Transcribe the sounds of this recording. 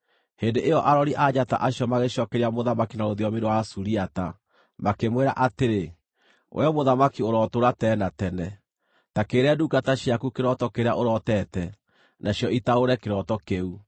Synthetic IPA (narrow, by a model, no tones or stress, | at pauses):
heːndeʔejɔʔaɾɔɾiʔad͡ʑata̰ʔaɕjɔmaɣeɕɔːkɛɾiamoðamakinaoðiɔmeɾowasuɾiata | makemweɾa̰ʔateɾe | wʔɛ̰ɔmoðamakioɾɔtoɾatɛːnatɛnɛ | takeːɾeadukataɕiakukeɾɔtɔkeɾeaʔoɾɔtɛtɛ | nʔaɕjɔitaoɾɛkeɾɔtɔkeu